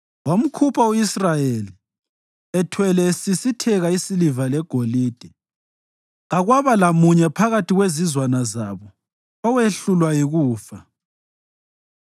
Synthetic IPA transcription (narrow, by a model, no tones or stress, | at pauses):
wom̩kʰupʰauisrajeli | ɛtʰwɛlɛsisitʰɛɣaisilivalɛɡ̥ʱoliːd̥ʱɛ | aɣwaβalamuɲɛpʰaɣatʰiɣwezizwanazaβɔ | ɔweɬulwajiɣuːfa